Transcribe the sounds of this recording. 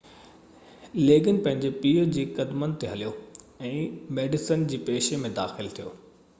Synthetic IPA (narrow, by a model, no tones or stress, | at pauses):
leːɡənpɐ̃ɦɪ̃ɲd͡ʑepiːəd͡ʑiːkɐd̪mənt̪eɦɐlijo | ɛ̃ːmeːɖɪsənd͡ʑiːpeːʃemẽd̪aːxɪlt̪ʰijoː